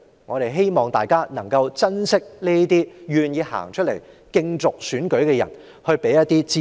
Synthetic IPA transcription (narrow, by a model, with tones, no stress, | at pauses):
ŋɔː˨˧ɾe˨jɦe˥jmɔː˨ŋt̪aː˨jkaː˥nɐ˨˩ŋkɐ˧wt͡sɐ˥nsɪ˥k̚neː˥t̪iː˥jyː˨njiː˨˧ha̰ː˨˩ŋt͡ʃʰɵ˥t̚le˨˩j | kɪ˧ŋt͡sʊ˨k̚syː˨˥nkɵ˨˥ɥkɛː˧jɐ̰˨˩n | hɵ˧ɥpe˨˥jɐ˥t̪ːiː˥t͡siː˥